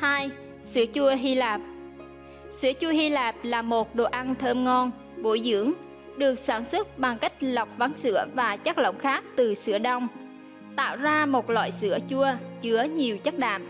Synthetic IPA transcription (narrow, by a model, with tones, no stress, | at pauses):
haː˧j | sɨ̰˧˥ət͡ɕu˧əɦi˧laː˨˩p̚ | sɨ̰˧˥ət͡ɕu˧əɦi˧laː˨˩p̚laː˨˩mo˨˩t̚ɗo˨˩ʔa˧nt̪ʰəː˧mŋɔ˧n | ɓo˧˩˦jzɨ̰˧˥əŋ | ɗɨ˨˩ək̚saː˧˩nswə˦˥t̚ɓa˨˩ŋka˦˥jk̟̚la˨˩wk͡p̚va˨˦nsɨ̰˧˥əvaː˨˩t͡ɕa˦˥k̚lə̰˧˨wŋ͡mxaː˦˥k̚t̪ɨ˨˩sɨ̰˧˥əɗa˧wŋ͡m | t̪a̰ː˧˨wzaː˧mo˨˩t̚lwa̰ː˧˨jsɨ̰˧˥ət͡ɕu˧ət͡ɕɨ˨˦əɲi˨˩əwt͡ɕa˦˥k̚ɗa̰ː˧˨m